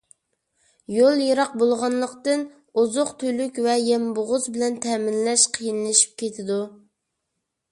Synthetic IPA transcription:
jolˠjɑɾɑq̚bolˠʁɑnlˠəqt̪ɨn | ozʊqt̪ʰølykʲvɛjɛmbʊʁʊzbɪlɛnt̪ʰɛːmɪnlɛʃqʰijinlɪʃi̥p̚kʲet̪ʰɪd̪u

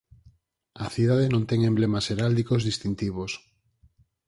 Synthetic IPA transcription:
ɐθiðaðenõnt̪ɛŋemblemaseɾald̪ikozðist̪int̪iβ̞os

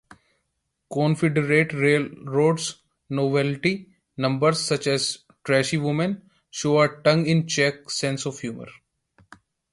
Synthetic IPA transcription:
kɔ̃ːnfɪɖəɾeːʈɾeːlɾoːɖs | noːʋɛlʈi | nʌ̃mbəɾssʌt͡ʃɛz | ʈɾɛʃiʋʊmə̃n | ʃoːəʈʌ̃ŋɪ̃nt͡ʃɛk̚sɛ̃nsɔʋhjuːmə̰ɾ

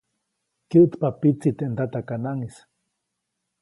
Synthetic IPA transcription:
kiʔt̪papit͡sit̪eʔnt̪at̪akanaŋis

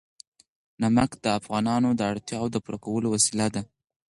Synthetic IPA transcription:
namakd̪̥əafɣɑnɑnod̪əaɽt̪jɑwod̪əpuɾakawəlowasilad̪a

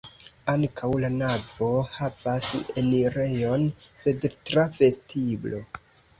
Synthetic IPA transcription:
aŋkʰawlanavo̞havaseniɾe̞jo̞nse̞dtɾave̞stʰiblo̞

